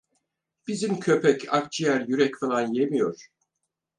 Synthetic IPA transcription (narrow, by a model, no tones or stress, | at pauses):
b̥izimcʰø̞pʰɛcʰa̰k̚t͡ʃʰijæɾjyɾɛcfalˠanjemijo̞ɾ̥